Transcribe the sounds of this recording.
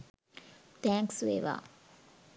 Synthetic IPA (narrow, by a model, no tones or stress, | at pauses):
t̪æːŋksʋḛːʋa̰ː